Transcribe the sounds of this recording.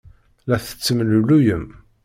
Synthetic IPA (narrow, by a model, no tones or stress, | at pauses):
læθə̥t͡sːəmlulujəm